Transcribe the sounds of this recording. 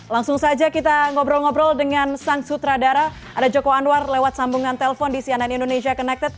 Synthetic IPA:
laŋsʊŋsad͡ʒakit̪aŋɔbɾɔlŋɔbɾɔldəŋansaŋsut̪ɾadaɾa | ʔadad͡ʒokowanuarlewat̪̚sambuŋant̪eləfɔndisiananindonesiakɔnɛk̚t̪ət̪̚

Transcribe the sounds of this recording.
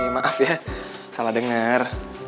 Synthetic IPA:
amaʔafjasalahdəŋər

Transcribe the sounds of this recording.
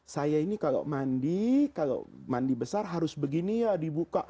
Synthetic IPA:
sajainikala̰ʔmandikala̰ʔmandibəsarɦaɾʊsbəɡinijadibukaʔ

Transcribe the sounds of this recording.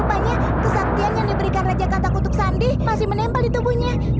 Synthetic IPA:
paɲa | kəsak̚t̪ianjaŋdibəɾikanrad͡ʒakat̪akunt̪ʊk̚sandɪhmasɪhmənɛmpalit̪ubuhɲa

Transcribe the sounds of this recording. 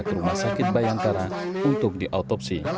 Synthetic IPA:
kɾumahsakɪt̪̚bajaŋkaɾaunt̪ʊk̚diʔat̪ɔpsi

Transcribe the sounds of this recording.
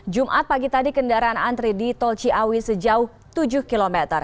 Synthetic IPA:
d͡ʒumʔat̪̚paɡit̪adikəndaɾaanant̪ɾidit̪ɔlt͡ʃiʔawisəd͡ʒaʊh | t̪ud͡ʒʊhkilomɛt̪ər

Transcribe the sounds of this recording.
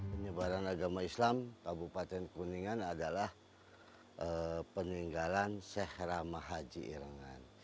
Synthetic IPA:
pəɲəbaɾanaɡamaislamkabupat̪ɛnkuniŋanadalah | əpəniŋɡalansɛhɾamaɦad͡ʒiʔḭɾəŋan

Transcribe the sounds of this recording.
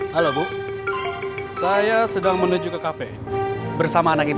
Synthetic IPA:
halobu | sajasədaŋmənud͡ʒukəkafɛ̰ | bərsamaːnaki

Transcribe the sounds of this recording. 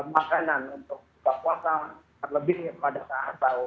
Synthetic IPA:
əmakananunt̪ʊk̚kakuasat̪ərləbɪhpadasaɦabau

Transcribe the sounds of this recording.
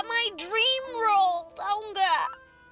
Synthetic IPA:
maɪdɹĩmɹoʊlˠdaŋɡə

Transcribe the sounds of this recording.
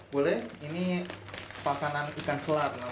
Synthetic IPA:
bolɛhini | pakananikansəlat̪̚na

